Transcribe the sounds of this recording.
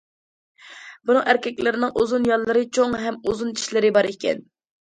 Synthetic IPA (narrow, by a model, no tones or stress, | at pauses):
bunɨŋæɾkʲʰɛkʲlɪɾɪnɪŋʔuzunjɑlˠːɨɾɨt͡ʃʰoŋɦɛmuzunt͡ʃʰi̥ʃlɪɾɪbɑɾikʲʰɛ̰n